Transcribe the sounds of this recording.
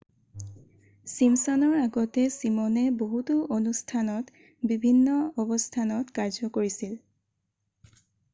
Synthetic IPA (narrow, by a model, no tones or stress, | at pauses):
simsɔnɔɹaɡɔtɛsimɔnɛboɦutuʔonustʰanɔt | bibʱinːɔɔbɔstʰanɔtkaɹzɔkoɹisil